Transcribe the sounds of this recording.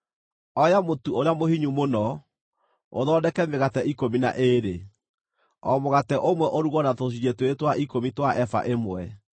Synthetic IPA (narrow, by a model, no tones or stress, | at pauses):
ɔjamotuoɾeamohiɲumonɔ | oðɔːdɛkɛmeɣatɛikomina̰ʔeɾe | ɔmoɣatɛʔomwɛʔoɾuɣɔnatos̬iɾetoetwaikomitwaʔɛfa̰ʔemwɛ